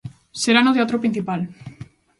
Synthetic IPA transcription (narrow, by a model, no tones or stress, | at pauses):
seɾanot̪̬eat̪ɾopɾĩnθipal